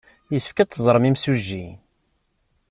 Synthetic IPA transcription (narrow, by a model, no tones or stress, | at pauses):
jəsəfkæt͡s̪ːəzˤɾˤmimsuʒːi